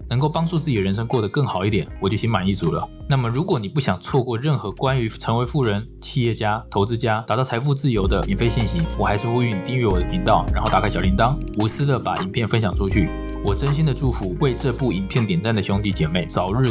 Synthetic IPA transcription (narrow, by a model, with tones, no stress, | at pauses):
nɤ˧˥ŋko˥˩ʊpɑ˥ŋʈ͡ʂu˥˧t͡sɹ̩˥˩t͡ɕ̪əɻə˧˥nʂ̬ɤ˥ŋkwɔ˥˩d̪ə˩kɤ˥˩ŋxɑ˨˩ʊi˥˩t̪jɛ˨˩˦nwɔ˨˩t͡ɕjo˥˩ɕi˧˥ŋma˨˩ni˥˩t͡su˨˥lə̰˨na˥˩mə˩ɻu˧˥kwɔ˧˥ni˨˩pu˥˩ɕjɑ˨˩ŋt͡sʰwɔ˥˧kwɔ˥˧ɻə˥˩nxɤ˧˥kwa˥ny˧˥ʈ͡ʂʰɤ˧˥ŋwe˧˥ɪfu˥˩ɻə˧˥nt͡ɕʰi˥˧jɛ˥˩t͡ɕja˥t̪ʰo˧˥ʊt͡sɹ̩˥t͡ɕja˥t̪a˨˩t̪ɑ˥˩˧ɪfu˥˧t͡sɹ̩˥˩jo˧˥ʊd̪ə˧i˨˩nfe˥ɪɕi˥˩nɕi˧˥nwɔ˨˩xa˧˥ʂɻ̩˥˧xu˥y˧˥˩ni˨˩t̪i˥˧ŋɥɛ˥˩wɔ˨˩d̪ə˦pʰi˧˥nt̪ɑ˥˩ʊɻa˧˥nxo˥˩ʊt̪a˨˩kʰɪjɑ˨˩ʊli˧˥nt̪ɑ˥ŋu˧˥sɹ̩˥d̪ə˨pa̰˨˥i˨˩pʰjɛ˥˩nfə˥nɕjɑ˨˩ŋʈ͡ʂʰu˥t͡ɕʰy˥˩ | wɔ˨˩ʈ͡ʂə˥nɕi˥nd̪ə˨ʈ͡ʂu˥˩fu˧˥we˥˧ɪʈ͡ʂɤ˥˧pu˥˩i˨˩npʰjɛ˥˩nt̪jɛ˨˩nt͡sa˥˩nd̪ə˩ɕjʊ˥ŋt̪i˧˥t͡ɕjɛ˨˩me˥˩ɪt͡sɑ˨˩ʊɻɻ̩˥˩